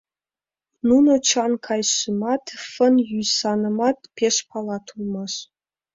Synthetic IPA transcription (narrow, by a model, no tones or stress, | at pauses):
nunot͡ɕɑnkʰɑjʃəmɑt̪fə̆njyjsɑnɤ̆mɑt̪peʃpʰɑlˠɑt̪ʰulˠmɑʃ